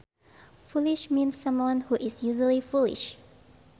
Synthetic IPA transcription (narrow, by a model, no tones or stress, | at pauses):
fulɪʃmĩnsːʌ̃mwʌ̃nhuʔɪsjuʒəlifulɪ̰ʃ